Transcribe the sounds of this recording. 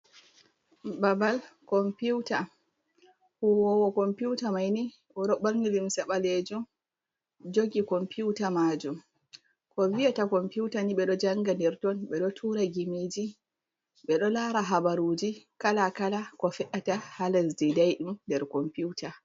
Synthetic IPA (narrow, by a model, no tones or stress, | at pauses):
babalkɔmpuwta | huwɔwɔkɔmpiuwtamajni | ʔɔɗɔɓaŋɡilimsɛɓaled͡ʒum | d͡ʒoɡikɔmpiuwtamad͡ʒum | kɔvijatakɔmpuwtaniɓɛɗɔd͡ʒaŋɡandɛɾtɔnɓɛɗɔtʰuːɾaɡimeːd͡ʒi | ɓɛɗɔlaɾaɦabaɾud͡ʒikalakalakɔfɛʔatahalasdɛdajɗumdɛɾkɔmpuwta